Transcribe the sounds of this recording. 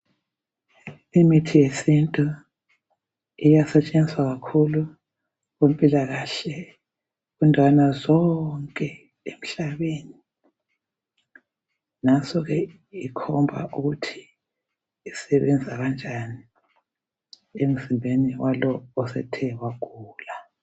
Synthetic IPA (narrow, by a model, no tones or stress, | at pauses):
imitʰijesintʼu | ijasɛt͡ʃʼend͡ziswaɣakʰulu | ɣem̩pʼilaɣaɬɛ | ɣundʱwanazɔŋkʼɛ | em̩ɬaβeni | nasɔɣɛ | ikʰɔmbʱa̰ʔuɣutʰi̥ː | sɛβɛnd͡zʱaβand͡ʒʱani | em̩zimbʱeniwalɔːsɛ̰tʰɛwaɡ̥ʱuːla